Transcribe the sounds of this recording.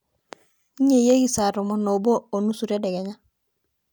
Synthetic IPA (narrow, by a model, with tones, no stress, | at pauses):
i˦ɲe˨je˦ɡi˨sa˨ɾomo˨no˨bo˦o˨nu˦su˨ɾe˦de˨ɡeɲa˦